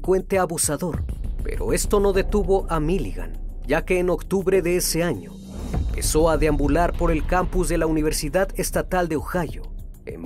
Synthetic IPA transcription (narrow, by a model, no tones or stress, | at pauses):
kwent̪e̞aβusaðo̞ɾpe̞̰ɾo̞̰e̞st̪o̞no̞ðe̞t̪uβo̞ʔamiliɣa̰n | ʝake̞ːno̞kt̪uβɾe̞ðeese̞aɲo̞̰ | pe̞so̞aðeambulaɾpo̞ɾe̞lkampuzðe̞launiβ̞e̞ɾsiðaðe̞st̪at̪ald̪e̞oxaʝo̞̰ | ḛm